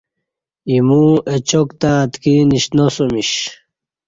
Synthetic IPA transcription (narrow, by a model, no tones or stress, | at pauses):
imuet͡ɕokt̪at̪kiniɕnosomiɕ